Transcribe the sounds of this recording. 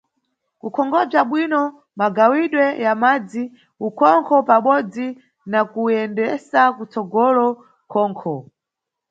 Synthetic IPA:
kukʰɔŋɡɔb͡ʐaɓwinɔ | maɡawiɗwɛjamad͡zi | ukʰɔŋkʰɔpaɓɔd͡zi | nakujɛndɛsakut͡sɔɡɔlɔ | kʰɔːŋkʰɔ

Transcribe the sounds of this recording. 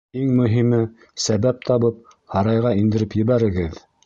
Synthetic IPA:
iŋmɵ̆ɦimɘ | sæβæp̚t̪ʰɑβɤp̚ | hɑɾɑjʁɑind̪ɘ̆ɾɘpjɘ̆βæɾɘ̆ɡɘð

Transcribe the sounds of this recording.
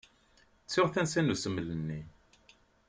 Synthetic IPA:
t͡sːɪʁθænsænusəmːlənːi

